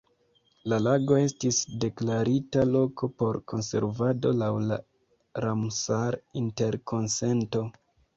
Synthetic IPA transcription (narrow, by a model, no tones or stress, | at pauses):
lalaɡo̞e̞stisde̞klaɾitalo̞ko̞po̞ɾko̞nse̞̰ɾvado̞lawla | ɾamsaɾinte̞ɾko̞nse̞nto̞